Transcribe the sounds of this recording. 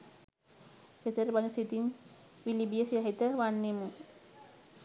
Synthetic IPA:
pet̪əɾəbanəsit̪inʋilibijəsiaɦit̪əʋanːemu

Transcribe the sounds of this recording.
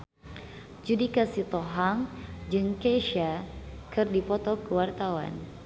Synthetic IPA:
d͡ʒudikasit̪ɔɦaŋd͡ʒɨŋkeʃakɨrdipɔt̪ɔkəwart̪awa̰n

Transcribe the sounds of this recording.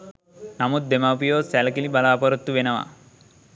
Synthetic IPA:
nɐmut̪̚d̪emapijoːsɛlɐkilibɐlaːpɐɾut̪ːuʋenɐʋa̰

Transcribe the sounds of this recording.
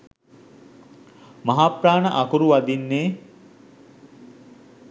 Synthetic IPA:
mɐɦapraːnəʔakuɾuʋɐd̪inːeː

